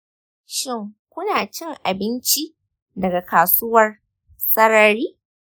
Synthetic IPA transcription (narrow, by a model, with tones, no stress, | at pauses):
ʃɪ˦˨ŋkʷʊ˦naː˨t͡ʃɪ˦ŋʔa˨bɪ˦nt͡ʃi˦ | dɐ˨ɡa˨kaː˨sʊ˦wɐ˦r | sɐ˦ɽɐ˦ɾiː˦